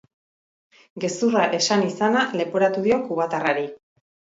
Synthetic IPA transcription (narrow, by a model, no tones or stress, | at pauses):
ɡe̞suraʔe̞sanisanale̞poɾat̪uð̞io̞kuβ̞at̪araɾi